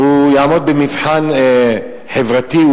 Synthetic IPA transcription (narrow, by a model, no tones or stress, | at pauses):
ujaʕmod̪̚bemifħan | ħevʁat̪i